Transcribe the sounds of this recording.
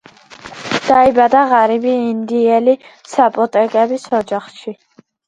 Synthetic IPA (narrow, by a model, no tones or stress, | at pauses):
d̪̥aibad̪aʁaɾibiːnd̪iɛlisapʼɔt̪ʼɛkʼɛbisɔd͡ʒaχʃi